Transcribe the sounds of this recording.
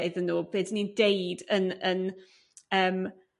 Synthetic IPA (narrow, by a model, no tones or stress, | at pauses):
ɨðənːuːb̥eːdnindejdənən | əːm